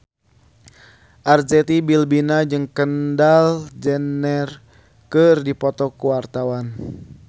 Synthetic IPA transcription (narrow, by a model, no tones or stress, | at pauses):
ʔard͡ʒɛt̪ibilbinad͡ʒɨŋkəndald͡ʒɛnɛr | kɨrdipɔt̪ɔkuwart̪awan